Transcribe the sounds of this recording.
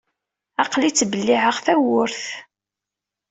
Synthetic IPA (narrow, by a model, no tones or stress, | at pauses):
ɑqlit͡sːbəlːiʕəʁθæwʊɾθ